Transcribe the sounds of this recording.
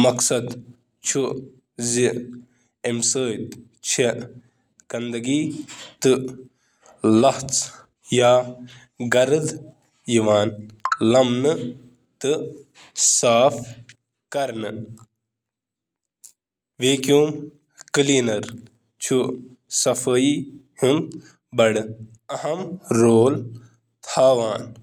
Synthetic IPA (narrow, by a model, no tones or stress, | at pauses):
mɐksɐd̪ | t͡ʃʰu | zi | emsəːjt̪ | t͡ʃʰe | ɡ̥ɐnd̪ɐɡiːt̪ɨ | lɐht͡s | jaː | ɡɐɾd̪ | jiʋaːnlɐmnɨ | t̪ɨ | saːpʰ | kɐɾnɨ | ʋeːkjuːm | kliːnɐɾ | t͡ʃʰu | sɐfʰɐi | him | bɐɽ | ɐhɐmɾoːl | t̪ʰaːʋaːn